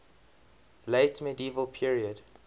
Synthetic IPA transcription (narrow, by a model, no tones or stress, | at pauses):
leɪtmədiːvəlˠpʰiɹiəd